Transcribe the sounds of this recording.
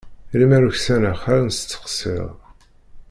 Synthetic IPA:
limæɾuçsænæχæɾnst͡sːə̥qsḭʁˤ

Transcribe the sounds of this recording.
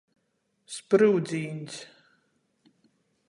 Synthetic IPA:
spɾuwd̪zʲiːnʲs

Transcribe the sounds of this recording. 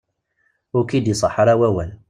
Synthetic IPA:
ʊkid̪isˤɑħɾˤæwæwæn

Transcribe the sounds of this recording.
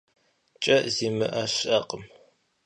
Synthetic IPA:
t͡ʃʼɐʔziːmɨʔɐɕɐqʼəm

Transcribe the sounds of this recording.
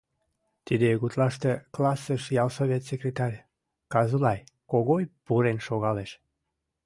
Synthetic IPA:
t̪id̪ejɣut̪lɑʃt̪eklɑsəʃjɑlsoβʲet̪sekɾʲet̪ɑɾʲ | kɑzulɑjkoɣojpuɾenʃoɣɑleʃ

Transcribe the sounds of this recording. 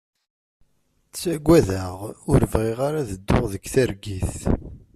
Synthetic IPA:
θsæɡʷːæðaʁʊɾəvʁiʁaɾaðəd̪ːʊʁðəkθəɾɡiθ

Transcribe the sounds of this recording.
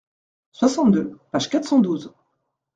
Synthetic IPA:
swasɑ̃t̪̚d̪øpaʒkat̪χsɑ̃d̪uz

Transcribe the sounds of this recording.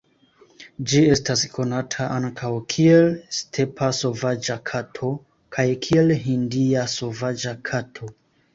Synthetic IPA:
d͡ʒie̞staskʰo̞natʰaʔaŋkʰawkʰielstʰe̞pʰaso̞vad͡ʒakʰatʰo̞ | kʰajkʰielɦindiaso̞vad͡ʒakʰatʰo

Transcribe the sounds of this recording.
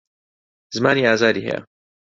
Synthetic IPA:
zɨmaːniːaːzaːd̪iːɦɛ̰ja̰

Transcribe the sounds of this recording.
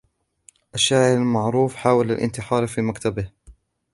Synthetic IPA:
ʔaʃːaːʕɪɾalmaʕɾuːfħaːwalalʔɪ̰nt̪ɪħɑːɾˤfiːmakt̪abɪh

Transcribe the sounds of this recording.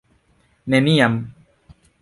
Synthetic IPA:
nɛnijam

